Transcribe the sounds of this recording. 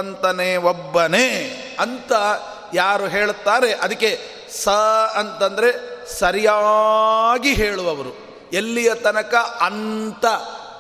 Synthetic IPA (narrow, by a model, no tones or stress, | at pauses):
ɐnt̪ɐneːobːɐneː | ɐnt̪ɐ | jaːɾuɦe̞ːɭt̪ːaːɾe̞ʔɐd̪ɐkːe̞ | sɐɐnt̪ɐnd̪ɐɾe̞sɐɾija | ɡiɦeːɭuʋɐʋɐɾu | elːijɐt̪ɐnɐkɐʔɐnt̪ɐ